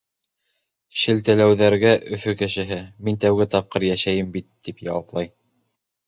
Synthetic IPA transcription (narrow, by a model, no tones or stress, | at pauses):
ʃɘ̆lt̪ælæwðæɾɡæʔɵ̆fɵkɘ̆ʃɘ̆ɦɘmint̪æwɡɘt̪ɑp̚qɤɾjæʃæjɘmbit̪ːipjɑ̰wɑplˠɑj